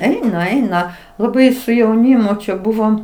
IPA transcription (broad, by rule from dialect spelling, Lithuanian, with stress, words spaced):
ˈɛɪnɐ ˈɛɪnɐ lˠɐˈbɐɪ sʊ jɛʊˈnʲiːmʊ t͡ʃʲɛ ˈbʊʋoːm